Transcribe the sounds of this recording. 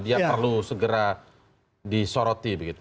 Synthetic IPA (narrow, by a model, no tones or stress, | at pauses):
diapərlusəɡəɾa | disoɾɔt̪ibəɡit̪u